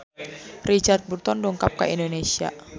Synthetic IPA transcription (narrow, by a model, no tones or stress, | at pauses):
rit͡ʃart̪̚burt̪ɔndɔŋkap̚ka̰ʔindonesia̰